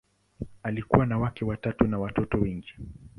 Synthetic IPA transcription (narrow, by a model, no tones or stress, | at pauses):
alikṵwanawakɛwatatunawatɔtɔwɛŋɡi